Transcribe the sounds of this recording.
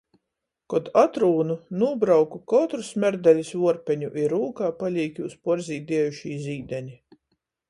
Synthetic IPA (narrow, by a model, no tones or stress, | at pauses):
kɔd̪at̪ɾuːnunuɔbɾawkukɔt̪ɾusmʲæɾd̪ælʲisvuɔɾpʲɛɲuʔiɾuːkaːpalʲiːkʲiuspɔɾziːd̪iɛjuʃiːziːd̪ɛɲʲi